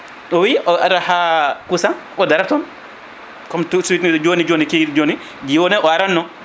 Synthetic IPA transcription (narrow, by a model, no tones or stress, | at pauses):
ɔwiʔɔaɾahakusan | ɔdaɾatɔn | kɔmtusuwitnid͡ʒoːnid͡ʒoːnikid͡ʒoni | d͡ʒiwɔnɛʔɔaɾanːɔ